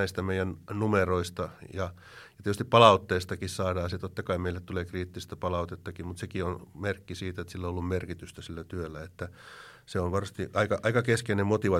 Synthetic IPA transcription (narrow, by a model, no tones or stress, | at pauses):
æist̪æmeijænnumeroist̪ɑjɑ | jɑt̪etys̆t̪ippɑlɑut̪ːeːst̪ɑkissɑːdɑːset̪ot̪ːɑkɑimeilːet̪t̪uleːkriːt̪ːist̪æpɑlɑut̪et̪ːɑkimut̪sekionmerkːisiːt̪æet̪silːoolːummerkit̪yst̪æsilːæt̪yølːæet̪ːæ | seonʋɑrɑst̪iʔɑikɑʔɑikɑkeskeinemmot̪iʋɑ